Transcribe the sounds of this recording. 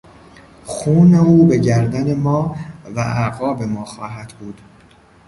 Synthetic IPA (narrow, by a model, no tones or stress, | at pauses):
xuːneuːbe̞ɟæɾd̪æne̞mɒːvæ̰ʔæɣɒːbe̞mɒːxɒːɦæd̪̥buːd̪̥